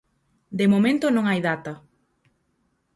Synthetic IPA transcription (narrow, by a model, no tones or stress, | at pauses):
d̪emomẽnt̪onõŋajðat̪ɐ